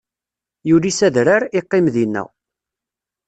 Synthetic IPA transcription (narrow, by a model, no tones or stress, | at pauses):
julisæðɾaɾiqːɪmðinːæ̰